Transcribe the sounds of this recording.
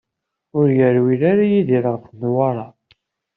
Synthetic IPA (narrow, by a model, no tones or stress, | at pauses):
ʊɾjəɾwilaɾajiðiɾʁəfmwɑɾˤɑ